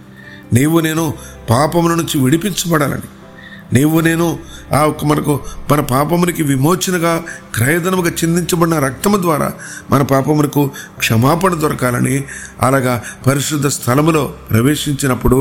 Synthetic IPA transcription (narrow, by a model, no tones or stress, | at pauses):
neːʋune̞ːnu | paːpɐmlɐnuɲt͡ʃiʋiɽipiɲt͡ʃɐbɐɽaːlɐ̰ni | neːʋune̞ːnuaːkːɐmɐnɐkumɐnɐpaːpɐmɐnikiʋimo̞ːt͡ʃɐnɐɡaːkɾɐːjɐd̪ɐnɐmuɡɐt͡ʃind̪iɲt͡ʃɐbɐɽinɐɾɐk̚t̪ɐmɐd̪ʋaːɾa̰ː | mʔɐnɐpaːpɐmɐnɐkukʂɐmaːpɐnɐd̪ʋɐɾɐkaːlɐ̰niɐ̰laːɡaːpɐɾiʃɾud̪ʱːɐst̪ʰɐlɐmlo̞ːpɾɐʋe̞ːʂiɲt͡ʃinɐpːuɽu